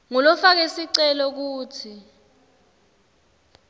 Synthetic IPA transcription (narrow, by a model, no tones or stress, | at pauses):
ŋɔlɔfak̬esiǀɛlɔk̬uːtʰi